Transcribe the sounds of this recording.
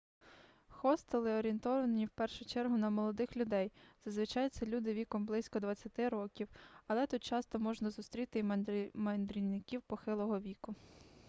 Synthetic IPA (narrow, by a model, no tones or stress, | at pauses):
xɔst̪elˠɪɔɾʲint̪ɔʋɐnnʲiwpɛrʃʊt͡ʃɛrɦʊnɐmɔlˠɔd̪ɪxlʲʊd̪ɛjz̥ɐzʋɪt͡ʃɑjɪt͡sʲːɐlʲud̪ɪʋʲikɔmblˠɪsʲkɔd̪ʋɐt͡sʲːɐt̪ɪɾɔkʲiwɐlˠɛt̪ut̪̚t͡ʃɑst̪ɔmɔʒnɐzʊst̪ɾʲit̪ɪmɐnd̪ɾʲinnɪkʲiwpɔxɪlˠɔɦɔʋʲikʊ